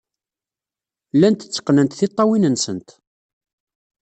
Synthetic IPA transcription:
lænt̪ə̥t͡sːə̥qːnənt̪θit̪ˤːɑwinənsənt̪

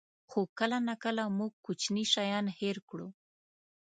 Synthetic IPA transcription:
xokəlanakəlamuɡ̚kut͡ʃniʃajɑnheɾkɽṵ

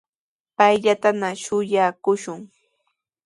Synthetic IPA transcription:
pajʎat̪anaʃʊjakʊʃʊŋ

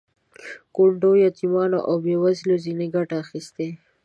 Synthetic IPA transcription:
koɳɖojat̪imɑnoʔawbewazlozineɡaʈaːxist̪e

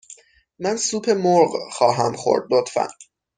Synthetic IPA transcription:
mænsuːpʰe̞moɾɢxɒːɦæmxo̰ɾd̪̚lot̪fæ̰n

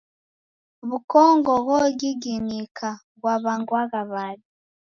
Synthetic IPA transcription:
βukɔːŋɡɔɣɔɡiɡinikʰa | βwaβaŋɡwaɣaβaβi

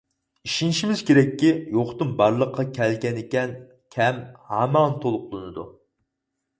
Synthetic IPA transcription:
iʃinʃimɪz̥kʲeɾɛkʲːijoχt̪ɨmbɑɾlˠəqʰːɑkʲʰɛlɡʲɛnɪkʲɛn | kʲʰɛmhɑːmɑnt̪ʰolˠʊqlˠɨnɨd̪u

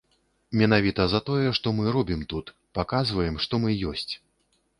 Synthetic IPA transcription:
mʲɛnavʲit̪ɐzɐt̪ɔjɛʂt̪ɔmɨɾɔbʲimt̪ut̪ | pakazvɐjɛmʂt̪ɔmɨjɔsʲt͡sʲ

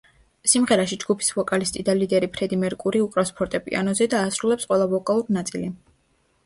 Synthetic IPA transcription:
simʁɛɾaʃid͡ʒɡupʰi̥svɔkʼalist̪ʼid̪alid̪ɛɾipʰɾɛd̪imɛɾkʼuɾiukʼɾaspʰɔɾt̪ʼɛpʼḭa̰nɔzɛd̪aːsɾulɛpsqʼwɛlˠavɔkʼalˠuɾinat̪sʼili

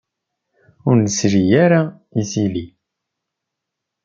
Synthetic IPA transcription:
ʊɾnəsɾijaɾa | isili

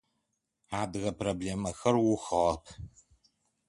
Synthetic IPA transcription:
aːdɨɣɐpʰrobɮeːmɐxɐrwʊxɐʁɐpʰ

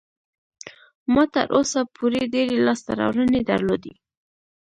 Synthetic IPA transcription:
mɑt̪ə̰ɾʔosapʰuɾeɖeɾelɑst̪aɾɑ̰wɾəned̪əɾlod̪e

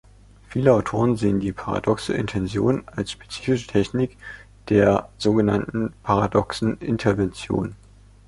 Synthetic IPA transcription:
fiːləaʊtʰoːʁ̞ənzeːəndiːpʰaʁa̰dɔksə̰ʔɪ̰ntʰɛnzjoːnalsʃpe̥t͡siːfɪʃə̥tʰɛçnɪk | d̥eːɐz̥oːɡənantn̩pʰaʁadɔksn̩ʔɪntʰɐɐvɛnt͡sjo̰ːn

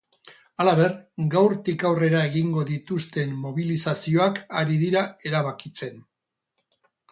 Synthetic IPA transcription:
alaβe̞rɡawɾt̪ikawre̞ɾae̞ɣiŋɡo̞ðit̪ust̪e̞mːo̞β̞ilisasio̞akaɾiðiɾae̞ɾaβ̞akit͡se̞n

